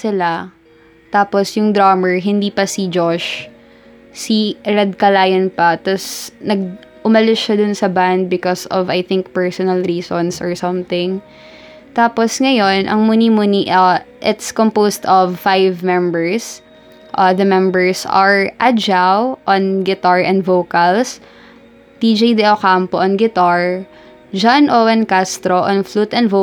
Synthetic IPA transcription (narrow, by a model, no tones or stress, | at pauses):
sɪla | t̪aːposjʊŋd̪ɾaːmɛɹɦɪnd̪iːpɐsid͡ʒoʃ | siɹɛd̪̚kɐlaːjɐnpɐt̪ɐsnɐɡ̚ | ʔʊmɐlɪʃad̪ʊnsɐband̪̚bɪkɔsɔvɐjθɪŋk̚pɛɹsɔnɐlɾiːsɔnsɔɹsɐ̃mθɪ̃ŋ | t̪aːposŋɐjo̞nʔɐ̰ŋmuːnimuniʔɐʔɪt̪skompowst̪ɔvfajvmɛ̃mbɛɹs | ʔɐðɐmɛ̃mbɛɹsɐɹʔad͡ʒawʔonɡɪt̪aɹʔɛ̃nd̪vowkɐls | t̪id͡ʒejd̪ɛokampoʔɐnɡɪt̪aɹ | d͡ʒanʔowɐnkast̪ɾoʔɔnflut̪ɛnvo